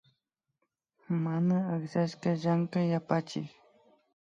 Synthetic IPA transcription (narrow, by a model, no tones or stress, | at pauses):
manaːχʃaʃkaʒaŋkajapat͡ʃɪ̰k